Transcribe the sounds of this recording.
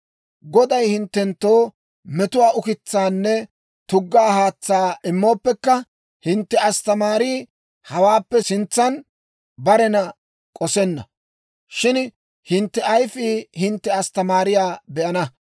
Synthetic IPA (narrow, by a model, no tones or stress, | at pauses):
ɡɔd̪ɐjhɪnt̪ːɛnt̪ːoː | mɛt̪ʊwaːʊkɪt͡sːaːnːɛ | t̪ʊɡːaːhaːt͡sːaːʔɪmːo̞ːpːɛkːɐ | hɪnt̪ːɛɐst̪ɐmaːɾiː | hɐwaːpːɛsɪnt͡sːɐn | bɐɾɛnɐ | kʼɔsɛnːɐ̰ | ʃɪn | hɪnt̪ːɛʔɐjfiːhɪnt̪ːɛɐst̪ɐmaːɾɪjaːbɛʔɐnɐ